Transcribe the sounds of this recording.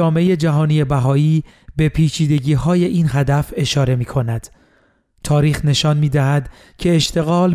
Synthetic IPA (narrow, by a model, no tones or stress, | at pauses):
ɒːmeeje̞d͡ʒæɦɒːnije̞bæɦɒːiː | be̞pʰiːt͡ʃʰiːd̪e̞ɟiːɦɒːje̞ʔiːnɦæd̪æfe̞ʃɒːɾe̞miːkʰo̞næd̪̥ | t̪ʰɒːɾiːxne̞ʃɒnmiːd̪æɦæd̪ | cʰe̞ːʃt̪ʰe̞ɣɒːl